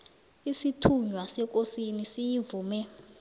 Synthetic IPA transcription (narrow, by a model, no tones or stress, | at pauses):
isitʰuɲwasɛk̬ʼosinisijivuːmɛ